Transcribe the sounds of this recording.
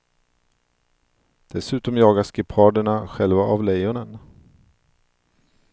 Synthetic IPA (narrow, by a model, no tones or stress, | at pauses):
d̪̥ɛsʉ̟ːt̪ɔmjɑːɡaʂkɪpʰɑːd̪əɳaɧɛlvaʔavlɛjʊnən